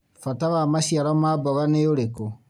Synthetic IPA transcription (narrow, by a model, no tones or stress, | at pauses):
fataβamaʃiaɾɔmabɔɣaneoɾeko